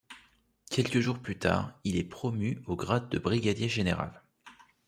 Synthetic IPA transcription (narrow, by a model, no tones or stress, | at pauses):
kʲʰɛlkəʒuʁplyt̪a̰ːʁilɛpχɔmyoɡʁad̪̚ːəbʁiɡʲad̪jeʒeneʁa̰l